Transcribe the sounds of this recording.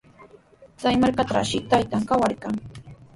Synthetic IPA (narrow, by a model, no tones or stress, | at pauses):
t͡sajmaɾkat̪a̰ʃɪt̪ajt̪aŋkawaɾkaŋ